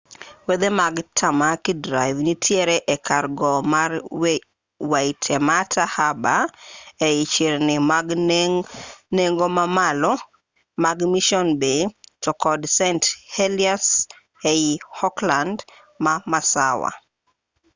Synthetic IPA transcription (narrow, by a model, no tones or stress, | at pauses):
wed̪emaɡtʰamakidɾaɪvnitʰjɛɾɛʔɛkʰarɡɔmar | waitʰɛmatʰahabaeit͡ʃiɾnɪmaɡ | neŋɡomamalɔ | maɡmiʃɔnbetɔkɔdsɛnthelias | eihɔkland | mamasawa̰